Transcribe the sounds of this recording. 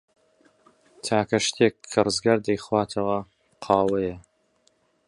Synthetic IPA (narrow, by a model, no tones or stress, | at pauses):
t̪ʰaːkɐʃt̪ʰeːkʰːɐrɨzɡaːɾd̪ɐjχwaːt̪ʰɐwɐ | qʰaːwɐjɐ